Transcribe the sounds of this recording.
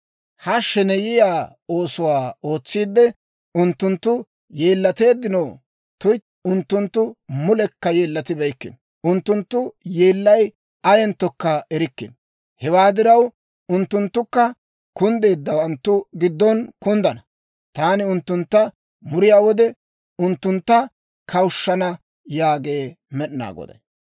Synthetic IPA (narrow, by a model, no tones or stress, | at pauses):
hɐʃːɛnɛjɪjaː | o̞ːsʊwaːo̞ːt͡sːiːd̪ːɛ | ʊnt̪ːʊnt̪ːʊ | je̞ːlːɐt̪e̞ːd̪ːɪnɐw | t̪ʊj | ʊnt̪ːʊnt̪ːʊmʊlɛkːɐje̞ːlːɐt̪ɪbɛjkːɪ̰n | ʊnt̪ːʊnt̪ːʊjeːlːɐj | ɐjɛnt̪ːɔkːɐɛɾɪkːɪn | hɛwaːd̪ɪɾɐw | ʊnt̪ːʊnt̪ːʊkːɐ | kʊnd̪e̞ːd̪ːɐwɐnt̪ːʊɡɪd̪ːɔnkʊnd̪ɐnɐ | t̪aːnɪʊnt̪ːʊnt̪ːɐ | mʊɾɪjaːwɔd̪ɛ | ʊnt̪ːʊnt̪ːɐ | kʰɐwʊʃːɐnɐ | jaːɡe̞ː | mɛɗna̰ːɡɔ̰d̪ɐ̰